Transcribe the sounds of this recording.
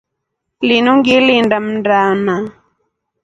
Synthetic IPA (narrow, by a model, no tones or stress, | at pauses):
linuŋɡilindam̩ndaːna